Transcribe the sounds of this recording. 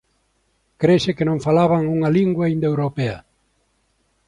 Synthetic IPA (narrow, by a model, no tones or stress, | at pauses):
kɾesɪkɪnõŋfalaβɐŋuŋɐliŋɡwaind̪ewɾopeɐ